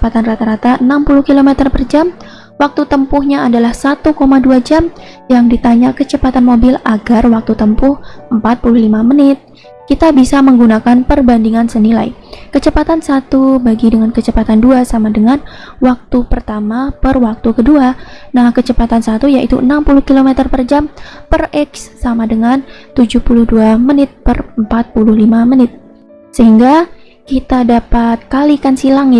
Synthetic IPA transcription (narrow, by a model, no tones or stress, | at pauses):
pat̪anrat̪aɾat̪aənampulʊhkilomɛt̪ərpərd͡ʒam | wak̚t̪ut̪əmpʊhɲaadalahsat̪ukomaduad͡ʒam | jaŋdit̪aɲakət͡ʃəpat̪anmobɪlaɡarwak̚t̪ut̪əmpʊhəmpat̪̚puluhlimamənɪt̪̚ | kit̪abisaməŋɡunakanpərbandiŋansənila̰j | kət͡ʃəpat̪ansat̪ubaɡidəŋankət͡ʃəpat̪anduasamadəŋan | wak̚t̪upərt̪amapərwak̚t̪ukəduanahkət͡ʃəpat̪ansat̪ujaʔit̪ṵənampuluhkilomɛt̪ərpərd͡ʒampərɛksːamadəŋant̪ud͡ʒuhpuluhduamənɪt̪̚pərəmpat̪̚puluhlimamənɪt̪̚ | səɦiŋɡa | kit̪adapat̪̚kalikansilaŋɪ